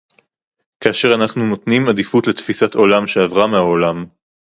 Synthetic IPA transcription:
kaːʃe̞ʁanaχnuno̞t̪nimad̪ifut̪le̞t̪fisat̪o̞lamʃe̞avʁameaolam

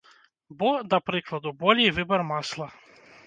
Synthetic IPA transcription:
bɔd̪ɐpɾɪklˠɐd̪ʊbɔlʲijʋɪbɔrmɑslˠɐ

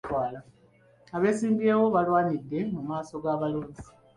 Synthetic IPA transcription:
waːla | aβe̞ːsiːmbieːwo̞βalwaːɲidːe̞mumaːso̞ɡaβaluːɲɟi

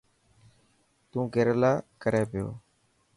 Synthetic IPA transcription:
t̪ũːɡʱeːɾəlaːkəɾeːpɪjo̰ː

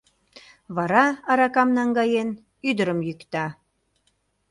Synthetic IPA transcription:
βɑɾɑɑɾɑkɑmnɑŋɡɑjen | yd̪əɾəmjykt̪ɑ

